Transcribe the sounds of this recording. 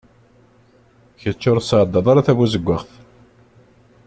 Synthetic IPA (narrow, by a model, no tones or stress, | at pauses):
çət͡ʃːʊɾˤsʕd̪ˤːɑðˤaɾˤaθævæzəɡʷːəʁθ